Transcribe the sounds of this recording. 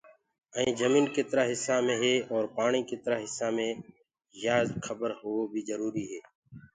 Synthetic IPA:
əĩːd͡ʒəmiːnket̪ɾaːɦɪsːaːmẽːɦeːɔːɾpaːɳ̃iːkɪt̪əɾaːɦɪsːaːmẽː | jaːzkʰəbəɾhoːbʱiːzəɾuːɾiːɦeː

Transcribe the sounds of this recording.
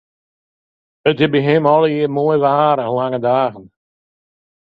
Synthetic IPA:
ət̚ɡɪbiɦɪmɔləiəmoəjʋaːɾəlaŋədaːɣən

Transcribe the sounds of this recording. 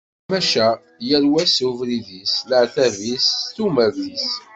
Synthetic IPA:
mæʃæ | jæɾwæsuvɾiðisləʕθævisθumævðis

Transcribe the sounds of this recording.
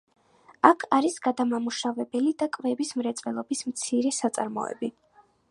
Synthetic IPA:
akʰaɾisɡad̪amamuʃavɛbɛlid̪akʼvɛbismɾɛt̪sʼvɛlˠɔbismt̪sʰiɾɛsat̪sʼaɾmɔ̰ɛ̰bi

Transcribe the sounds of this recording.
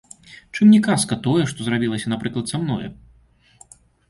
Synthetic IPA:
t͡ʂɨmnʲɛkaskɐt̪ɔjɛʂt̪ɔzɾrabʲilˠɐsʲɐnapɾɨklˠɐt̪samnɔ̰jɛ

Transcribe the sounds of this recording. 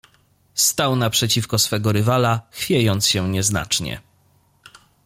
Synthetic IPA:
st̪awnapʂɛt͡ɕifkɔsfɛɡɔɾɘvalaxfʲjejɔnt̪sɕɛɲɛzna̰t͡ʂɲɛ̰

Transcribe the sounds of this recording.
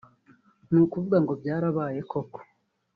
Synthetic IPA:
nuːkuvuɡaŋɡo̞bɟaːɾaβaːje̞kʰo̞ko̥

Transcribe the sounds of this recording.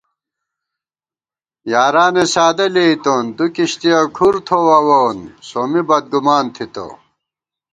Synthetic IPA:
jaːɾaːnesaːd̪ɐleit̪ond̪ukiɕt̪ijɐkʰuɾt̪ʰowɐwonsomibɐd̪̚ɡumaːnt̪ʰit̪o̰

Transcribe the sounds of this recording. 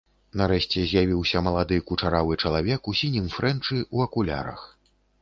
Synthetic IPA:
nɐɾɛʃt͡sʲɛzʲjavʲiwsʲɐmɐlˠad̪ɨkut͡ʂaɾavɨt͡ʂɐlˠavʲɛkusʲinʲimfɾɛnt͡ʂɨuɐkulʲa̰ɾɐ̰x

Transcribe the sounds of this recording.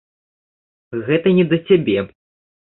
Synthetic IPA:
ɣɛt̪ɐnʲɛd̪ɐt͡sʲabʲɛ

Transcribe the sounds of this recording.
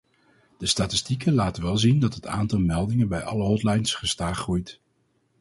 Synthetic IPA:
d̥əstaːtɪstikəlaːtəʋɛlˠzindɑtɦətʰa̰ːntɑlˠmɛlˠdɪŋənbɛjʔɑ̰ləɦɔtlɑjnsχəstaːχχrujt

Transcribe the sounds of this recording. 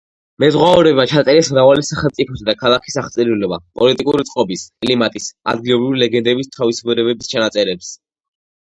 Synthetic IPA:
mɛzʁwaɔɾɛbat͡ʃʰat̪sʼɛɾɛsmɾavalisaχɛlˠt̪sʼipʰɔsad̪akʰalˠakʰi̥saχt̪sʼɛɾilɛba̰pʼɔlit̪ʼikʼuɾit̪sʼqʼɔbiskʼlimat̪ʼisa̰d̪ɡilˠɔbɾivilɛɡɛnd̪ɛbist̪ʰavisubɛɾɛbɛbist͡ʃʰanat̪sʼɛɾɛps

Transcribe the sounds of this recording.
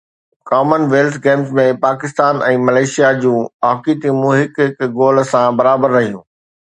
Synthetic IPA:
kɔːmənʋeːlt̪ʰɡẽːmzmẽpaːkɪst̪aːnɛ̃ːmɐleːʃijad͡ʑũːaːkiːt̪imũɦɪkɦɪkɡoːl̆sãbɐɾaːbəɾːɐɦijũː

